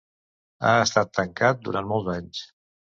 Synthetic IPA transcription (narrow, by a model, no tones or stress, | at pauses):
a̰əst̪at̪ːəŋkat̪̚d̪uɾant̪mɔlˠzaɲs